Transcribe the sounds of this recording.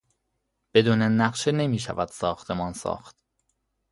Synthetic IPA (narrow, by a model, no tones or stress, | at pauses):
b̥e̞d̪uːnenæɢʃene̞miːʃæ̰væd̪̥sɒːxt̪ʰe̞mɒːnsɒ̰ːxt̪